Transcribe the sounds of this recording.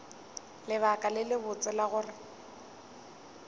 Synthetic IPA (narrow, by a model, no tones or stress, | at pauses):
lɪβakʼalɪlɪbʊt͡sʼɪlaɣʊːrɪ